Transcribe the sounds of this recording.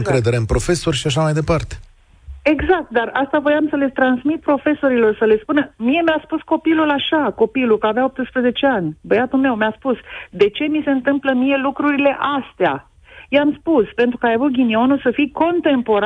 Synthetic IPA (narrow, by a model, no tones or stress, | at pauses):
ŋkɾe̞d̪e̞ɾeɨnpɾo̞fe̞so̞rʲʃiaʃ̬amajd̪e̞part̪e̥ | e̞ɡzak̚t̪̚d̪arast̪avojamsəle̞t̪ɾansmit̪̚pɾo̞fe̞so̞ɾilo̞rsəle̞spunəmije̞measpusko̞pilulaʃako̞pilukəavjaop̚t̪ɨspɾəze̞t͡ʃe̞anʲbəjat̪ulme̞wmeaspusd̪e̞t͡ʃe̞mise̞ɨnt̪ɨmpləmije̞lukɾuɾile̞ʔast̪ea̰ | jeamspuspe̞nt̪ɾukajavut̪̚ɡʲinio̞nulsəfijko̞nt̪e̞mpo̞ɾ